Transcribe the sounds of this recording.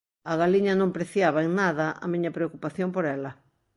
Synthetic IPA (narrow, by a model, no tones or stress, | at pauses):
ɐɣaliɲɐnõmpɾeθjaβ̞ɐeŋnaðɐʔa̰miɲɐpɾeokupaθjompoɾɛlɐ